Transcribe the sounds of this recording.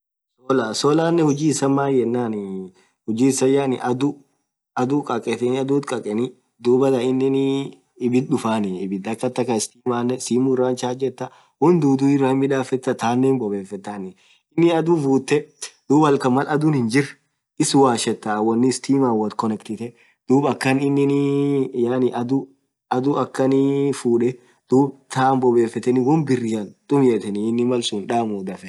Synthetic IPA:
sɔlasɔlaːnːɛhʊd͡ʒiːɪsːɐmːaːjɛnːaːnɪ | hʊd͡ʒiːsɐjaːnɪ̰ʔɐd̪ʊ | ɐd̪uːkʼɐkʼɛt̪ɛnɪɐd̪uːt̪kʼɐkʼɛnɪ | d̪uːbɐlɐɪnːɪnɪ | ɪbɪt̪̚ᶑʊfaːnɪɪbɪt̪d̪ɐkːɐt̪ːɐkɐɪst̪iːmaːnːɛsiːmurːaːnt͡ʃaːd͡ʒɛt̪ːɐ | hʊnd̪uːd̪uɪrːɐɪmːɪᶑ̪aːfɛt̪ːɐt̪aːnːeːnbɔbeːfːɛt̪ːaːnɪ | ɪnːɪɐd̪ufuːt̪ːɛd̪̥uːbɐlkɐmɐlɐd̪ʊnhɪnd͡ʒɪr | ʔɪswaːʃɛt̪ːawɐnːɪst̪iːmaːwɐt̪kɔnɛkt̪ɪt̪ɛ | d̪̥uːbɐkːɐnɪnːɪnjaːnɪʔɐd̪ʊ | ɐd̪ʊɐkːɐnɪfuːᶑɛ | d̪̥uːbt̪ʰaːnbɔbeːfɛt̪ːɛnɪwɔnbɪrːɪjaːnt̪ʼʊmjɛt̪ɛnɪɪnːɪmɐlsuːnᶑaːmʊːd̪ɐfɛ

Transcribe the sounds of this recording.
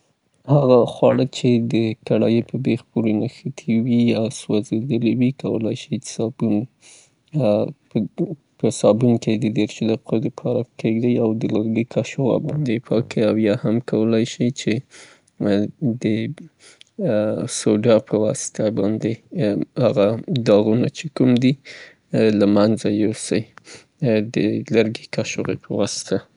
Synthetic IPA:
haɣaxwɑɽət͡ʃed̪əkaɽɑjepəbexpuɾenaxət̪ʰiwiaswazed̪əliwikawə̰la̰jʃi̥sɑbun | pəsɑbunked̪əd̪eɾʃud̪aqod̪əpʰɑɾakʰeɡd̪ajawd̪əlaɾɡəkʰaʃowa̰bɑnd̪epʰɑkʰiawjɑhamkawəlajʃijt͡ʃe | d̪ə | soɖɑpʰəwɑsɪ̥t̪ʰabɑnd̪ehaɣad̪ɑɣunat͡ʃekumd̪i | lamanzajowsaj | d̪əlaɾɡikaʃoɣḛpʰəwɑsɪ̥t̪ʰa

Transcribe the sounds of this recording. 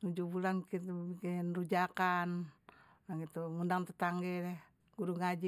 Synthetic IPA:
nud͡ʒubulankit̪ubikinrud͡ʒakan | aɡit̪uŋundaŋt̪ət̪aŋɡɛlɛ | ɡuɾuŋad͡ʒi

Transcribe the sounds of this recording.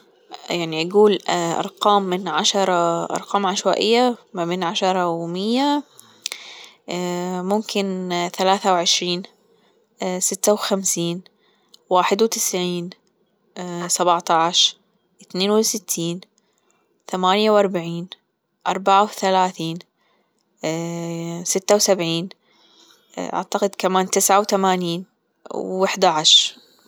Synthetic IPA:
jaʕniʔaɡuːlʔɑ̰ɾˤqɑːmːɪnʕaʃɑɾˤɑʔɑ̰ɾˤqɑːmʕaʃwaːʔɪ̰jːamabeːnʕaʃɑɾˤɑwmɪjːa | mʊmkɪnθalaːθawʕɪʃɾiːn | sɪt̪ːawxamsiːn | waːħɪd̪wt̪ɪ̥sʕiːn | sabʕt̪ɑʕʃ | ʔɪθneːnwɪsɪt̪ʰːiːn | θamaːnjawʔɑɾˤbaʕiːn | ʔɑɾˤbaʕawθalaːθiːn | sɪt̪ːawsabʕiːn | ʔa̰ʕt̪ɑqɪd̪kamaːnt̪ɪsʕawθamaːniːn | wɪħd̪aʕaʃɾ

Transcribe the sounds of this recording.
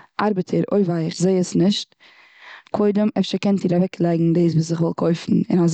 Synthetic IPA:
ʔaɾbətʰəɾo̰ɪvaɪɪχzeɪəsnɪʃt | kʰoɪdəmɛfʃəkɛntdiːɾavɛkʰlˠaɪɡŋ̩deɪs̬vuːs̬ɪχvɔlˠkʰoɪfn̩ɪ̰naz

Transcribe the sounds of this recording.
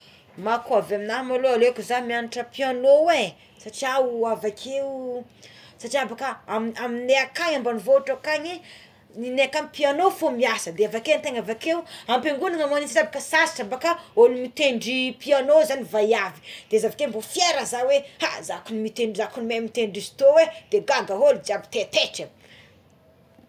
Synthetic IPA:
makuavaminaɦmaloalekuzamianiʈ͡ʂəpianowe | saʈ͡ʂiauavakʰewu | saʈ͡ʂiabakaamamineakaɲambanivoʈ͡ʂakaɲi | nineakamipianofomiasəd̪eavakeant̪eŋavakewampeŋɡunaŋamaninsatabakəsasḁʈ͡ʂabakaolimit̪eɳɖ͡ʐipianozanivajavi̥d̪̥ezavak̪embofijeɾəzawea̰zakunimit̪eɳzakunimemit̪eɳɖ͡ʐizi̥t̪owed̪̥eɡaŋɡəɦolid͡ʒabi̥t̪et̪eʈ͡ʂə

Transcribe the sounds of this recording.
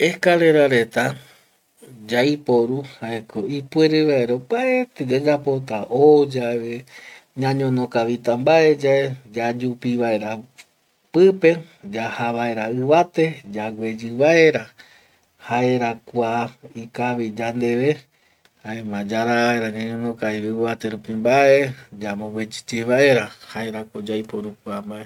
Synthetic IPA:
ehkale̞ɾaɾe̞t̪a | d͡ʒaipo̞ɾuhaekoipweɾɨβaeɾopaet̪ed͡ʒad͡ʒapo̞t̪aʔod͡ʒaβeɲãɲõnõkaβit̪ambae̞d͡ʒaed͡ʒad͡ʒupiβaeɾa | pɨpe̞ | d͡ʒahaβaeɾaɨβat̪e̞d͡ʒaɡʷe̞d͡ʒɨβae̞ɾa | haeɾakʷaikaβid͡ʒand̪e̞ʋe̞ | aemãd͡ʒaɾaaeɾaɲãɲõnõkaiβɨβat̪e̞ɾupimbaed͡ʒamõwed͡ʒi̥t͡ʃeβae̞ɾahaeɾakod͡ʒajpoɾukuambaʔe

